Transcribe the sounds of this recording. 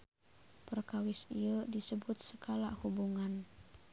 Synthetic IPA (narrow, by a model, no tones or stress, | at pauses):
pərkawɪsiədisəbut̪̚səkalahubuŋan